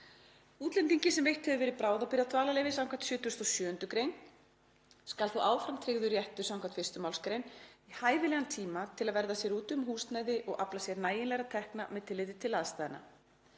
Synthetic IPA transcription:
uːt̪lɛnt̪̬iɲcɪsɛmvejht̪hɛvʏvɛːɾɪðpɾaːwðawpɪɾjat̪ʰvaːlalejvɪsãwŋkat̪sjœːt̪ʏst̪ɔsjœːʏnt̪ʏkɾejn | skalθuʔaːwfɾamt̪ʰɾɪɣðʏɾjɛht̪ʏɾsawŋkʰḁt̪fɪst̪ʏmawlskɾejnihaːjvɪlɛːɣant̪ʰiːmat̪ʰɪlaðvɛɾðasjɛɾuːt̪ʏmɦuːst̪naːjðɪʔɔɣʔa̰plasjɛɾnaːjɪnlɛɣɾat̪ʰɛhknamɛðt̪ʰɪlɪðɪt̪ʰɪlaðst̪aːjðɪna̰

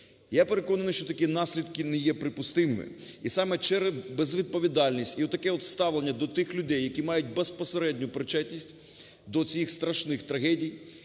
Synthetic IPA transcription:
jape̞ɾekɔnɐnʊɪʃt͡ʃɔt̪ɐkʲinɑsʲlʲid̪kɪnɛjɛpɾɪpʊst̪ɪmɪ̰ | isɑmɛt͡ʃɛɾɛzbezʋʲid̪̚pɔʋʲid̪ɑlʲnʲisʲtʲiɔt̪ːɐkɛɔt̪st̪ɑʋlˠenʲːɐd̪ɔt̪ɪxlʲʊd̪ɛjːɐkʲimɑjʊt̚ʲbespɔseɾɛdʲnʲʊpɾɪt͡ʃɛtʲnʲisʲtʲ | d̪ɔt͡sʲijixst̪ɾɐʃnɪxt̪ɾɐɦɛdʲij

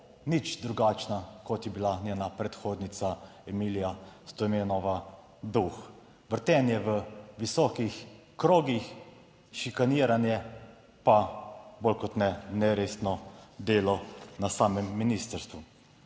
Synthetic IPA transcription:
nit͡ʃd̪ɾuɡaːt͡ʃnakɔt̪jɛbilanʲenapɾɛt̪xoːd̪nit̪saɛmilijast̪ɔmenɔʋa | d̪ux | ʋəɾt̪ɛnjɛʋəʋisɔːkix | kɾoːɡix | ʃikaniːɾanjɛ | paboːlkɔt̪nɛnɛɾeːsnɔd̪eːlɔnasaːmɛmːinist̪əɾst̪ʋu

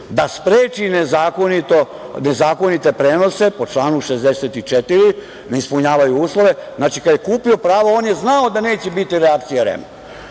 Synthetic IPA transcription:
d̪aspɾeːt͡ʃinezaːkonit̪o | ne̞zaːko̞nit̪e̞pɾeːno̞se̞po̞t͡ʃlˠaːnuʃezd̪eset̪it͡ʃet̪iɾi | neispuɲaːʋajuuːslˠo̞ʋe̞znaːt͡ʃikad̪jekuːpio̞pɾaːʋaoːnje̞znaod̪ane̞ːt͡ɕebit̪iɾeak̚t̪sijaɾḛmo̰

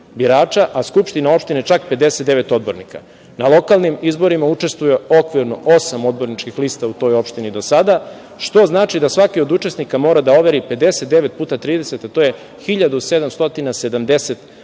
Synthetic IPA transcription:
biɾaːt͡ʃaʔaskupʃt̪inao̞pʃt̪inet͡ʃakped̪e̞set̪̚d̪e̞ʋet̪o̞d̪̚bo̞ɾnika̰ | nalˠo̞kalˠnimizbo̞ɾimaut͡ʃe̞st̪ʋuje̞o̞kʋiɾno̞ʔosamo̞d̪bo̞ɾnit͡ʃkixliːst̪aut̪o̞jo̞pʃt̪inid̪o̞sad̪a | ʃt̪o̞znaːt͡ʃid̪asʋakio̞d̪ut͡ʃe̞snikamo̞ːɾad̪ao̞ʋeɾipe̞d̪e̞set̪̚d̪e̞ʋe̞t̪̚puːt̪at̪ɾiːd̪ese̞t̪at̪o̞je | xiʎad̪use̞d̪amst̪o̞t̪inase̞d̪amd̪e̞set̪

